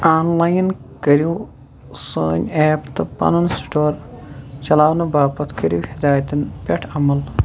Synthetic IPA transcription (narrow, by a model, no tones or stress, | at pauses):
aːnlɐjnkɐɾiw | sɨːnʲeːpt̪ɨpɐ̰nɐnsʈoːrt͡ʃɐlaːʋnɨbaːpɐt̪kɐɾiʋhid̪aːjɐt̪inpʲeʈʰɐmɐl